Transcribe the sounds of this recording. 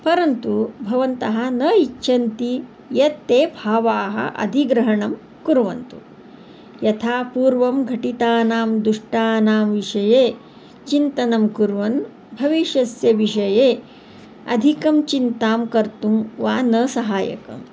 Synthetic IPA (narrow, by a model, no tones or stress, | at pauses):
pɐɾɐnt̪ubʱɐʋɐnt̪ɐɦɐ̆nɐːit͡ʃːʃʰɐnt̪i | jɐt̪ːeːbʱaːʋaːɦɐ̰ʔɐ̰d̪ʱiɡɾɐɦɐɳɐm | kuɾʋɐ̰nt̪u | jɐt̪ʰaːpuːɾʋɐmɡʱɐʈit̪aːnaːmd̪uʂʈaːnaːmʋiʂɐjeː | t͡ʃint̪ɐnɐmkuɾʋɐn | bʱɐʋiʃjɐsjɐʋiʂɐjeː | ɐ̰d̪ʱikɐmt͡ʃint̪aːmkɐɾt̪umʋaːnɐːsɐɦaːjɐ̰kɐ̰m